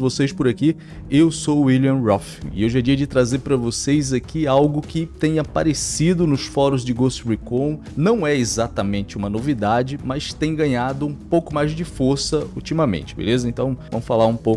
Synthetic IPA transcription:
vosejspʊɾaki | ewsoiliɐ̃ɾɔfḭɪ̰ewʒad͡ʒiɐd͡ʒɪt̪ɾazeɾpɾɐvosejzakiawɡʊkɪt̪ẽj̃ɐpa̰ɾesid̪ʊnʊsfɔɾʊzd͡ʒɪɡosɾikõ | nɐ̃w̃ɛezat̪ɐmẽnt͡ʃɪũmɐnovid̪ad͡ʒɪmɐst̪ẽj̃ɡɐ̃ɲad̪ʊũpowkʊmajzd͡ʒɪfoɾsɐut͡ʃimɐmḛ̃nt͡ʃɪ̥bḛlezɐẽnt̪ɐ̃w̃vɐ̃mʊsfalaɾũpow

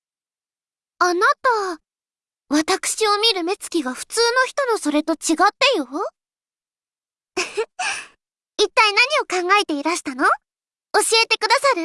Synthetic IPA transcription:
anat̪a | βat̪akɯ̟̥ɕio̞mʲiɾɯ̟me̞t͡sɨ̥kʲiɡaɸɯ̟̥t͡sɨːno̞çʲi̥t̪o̞no̞so̞ɾe̞t̪o̞t͡ɕiɡat̪ːejo̞ | it̪ːainaɲ̟io̞kãŋɡae̞t̪e̞iɾaɕi̥t̪ano̞ | oɕie̞t̪e̞kɯ̟d̪asaɾɯ̟

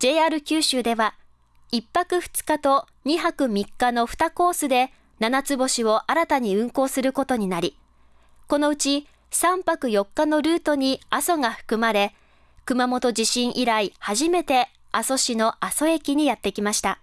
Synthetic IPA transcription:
d͡ʑ̥e̞ːaːɾɯ̟kʲɨːɕɨːd̪e̞βa | ipːakɯ̟ɸɯ̥t͡sɨ̥kat̪o̞ | ɲ̟iɦakɯ̟mʲikːano̞ɸɯ̟̥t̪ako̞ːsɨd̪e̞ | nanat͡sɨbo̞ɕio̞ʔaɾat̪aɲ̟iɯ̟̃ŋko̞ːsɨɾɯ̟ko̞t̪o̞ɲ̟inaɾʲi | ko̞no̞ɯ̟t͡ɕi | sãmpakɯ̟jo̞kːano̞ɾɯ̟ːt̪o̞ɲ̟iaso̞ŋaɸɯ̟̥kɯ̟maɾe̞ | kɯ̟mamo̞t̪o̞d͡ʑiɕĩɰ̃ʔiɾaihaʑime̞t̪e̞ | aso̞ɕino̞ʔaso̞e̞kʲiɲ̟ijat̪ːekʲimaɕi̥t̪a

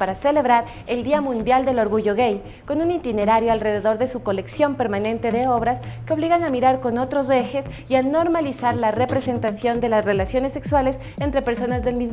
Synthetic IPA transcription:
paɾasele̞βɾaɾ | e̞ld̪iamũnd̪jald̪e̞lo̞ɾɣuʝo̞ɣej | ko̞nunint̪ine̞ɾaɾjoalre̞ðe̞ðo̞ɾðe̞suko̞le̞ksjo̞mpe̞ɾmanẽ̞nt̪e̞ðe̞o̞β̞ɾaskeo̞β̞liɣanamiɾaɾko̞no̞t̪ɾo̞ze̞xe̞s | iano̞ɾmalisaɾlare̞pɾe̞se̞nt̪asjo̞nd̪e̞lasre̞lasjo̞ne̞sːe̞kswale̞s | ent̪ɾe̞pe̞ɾso̞nazðe̞lmiz

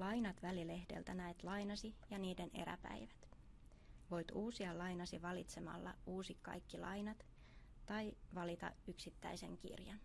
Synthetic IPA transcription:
lɑjnɑt̪ʋælile̞hd̥e̞̰lt̪ænæet̪lɑjnɑsijɑniːde̞ne̞̰ɾæ̰pæ̰jʋæt̪ | ʋo̞jt̪uːsiɑlɑjnɑsiʋɑlit̪se̞mɑ̰lːɑ̰uːsikkɑ̰jkːilʔɑjnɑt̪ː | ɑjʋɑlit̪ɑ̰yksit̪ːæ̰jse̞̰ŋkḭrjɑn

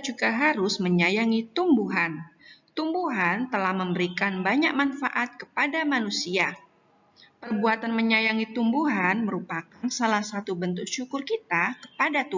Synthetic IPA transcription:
d͡ʒuɡaɦaɾʊsməɲajaŋit̪umbuɦant̪umbuɦant̪əlahməmbəɾikanbaɲak̚manfaʔat̪̚kəpadamanusia | pərbuat̪anməɲajaŋit̪umbuɦanməɾupakansalahsat̪ubənt̪ʊk̚ʃukʊrkit̪akə̥padat̪u

